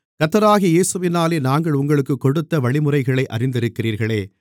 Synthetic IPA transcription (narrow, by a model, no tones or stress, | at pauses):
kɐt̪ːɐɾaːɣijeːsɯʋɪnaːleːnaːŋɡɐɭʊŋɡɐɭɯkːɯkːɔɽɯt̪ːɐʋɐɭɪmɯrɐɪɣɐɭɐɪʔɐ̰rɪnd̪ɪɾɯkːɪriːɾɣɐɭeː